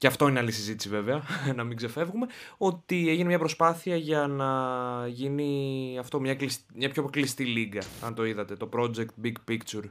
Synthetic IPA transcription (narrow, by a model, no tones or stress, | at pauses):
ceɐft̪o̞ineɐlisizit̪isive̞veɐnɐmiɡze̞fe̞vɣume̞o̞t̪ieʝinemɲɐpɾo̞spɐθiɐʝɐnɐʝiniɐft̪o̞mɲɐklismɲɐpçoklist̪iliɡɐɐnt̪o̞iðɐt̪e̞t̪o̞pɾo̞d͡ze̞kt̪̚biɡpikt͡ʃuɾ